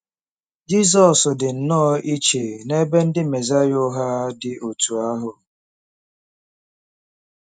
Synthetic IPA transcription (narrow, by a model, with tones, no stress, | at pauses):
d͡ʒi˦s̬ɔ˨sdɪ˨n̩˨nɔː˦ʔi˦t͡ʃe˨ne˦be˦n̩˦dɪ˦me˨za˦jʊ˦ɦa˦dɪ˨ʔo˨tu˨a˦ɦʊ˨